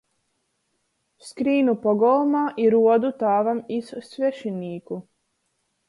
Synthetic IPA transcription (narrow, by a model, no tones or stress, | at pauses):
skɾiːnupoɡolˠmaʔiɾuod̪ut̪aːʋamissʋeʃiniːku